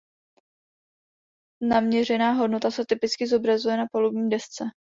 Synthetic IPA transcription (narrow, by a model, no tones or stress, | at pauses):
namɲɛr̝ɛnaːɦo̞dnot̪asɛt̪ɪpɪt͡skɪzo̞bɾazujɛnapolubɲiːmdɛst͡sɛ